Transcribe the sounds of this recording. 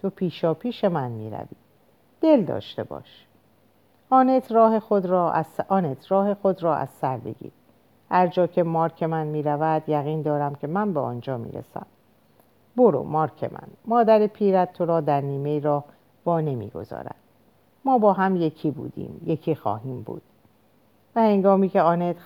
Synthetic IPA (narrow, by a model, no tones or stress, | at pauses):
t̪ʰo̞pʰiːʃɒːpʰiːʃe̞mænmiːɾæ̰vḭː | d̪̥e̞ld̪ɒ̰ːʃt̪e̞̰bɒ̰ːʃ | ʔɒːnet̪ʰɾɒːhe̞xod̪ɾɒːzɒːnet̪ʰɾɒːhe̞xo̞d̪ɾɒːʔæ̰z̥sæɾd̪e̞̰ɡḭːɾ | hæɾd͡ʒɒːcʰe̞mɒːɾkʰe̞mænmiːɾævæd̪jæɣiːnd̪ɒːɾæmcʰe̞mænbeɒːnd͡ʒɒːmḭːɾḛsæ̰m | bo̞ɾo̰mɒːɾkʰe̞̰mʔæ̰nmɒːd̪æɾepʰiːɾæt̪̚t̪ːʰoɾɒːd̪æɾniːmejɾɒːh | vɒːne̞mḭːɡo̞̰zɒ̰ːɾæ̰d̪̥̚ | mɒːbɒːɦæmje̞cʰiːbṵːd̪ḭːmje̞cʰiːxɒ̰ːɦiːmbṵːd̪̥ | væhe̞ŋɡɒːmiːcʰeɒːnet̪ʰ